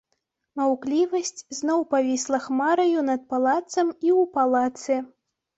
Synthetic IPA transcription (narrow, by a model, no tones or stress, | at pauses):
mawklʲivɐsʲt͡sʲznɔwpavʲislˠɐxmaɾɐjunɐt̪̚palˠat̪sɐmiwpalˠat̪sɨ